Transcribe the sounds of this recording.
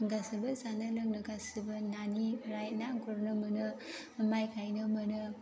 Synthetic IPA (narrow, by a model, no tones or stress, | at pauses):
ɡasɯbɯsanalɯŋnɯɡasibɯnaniɾajnaŋɡuɾnɯmɯnɯ | majkʰajnɯmɯnɯ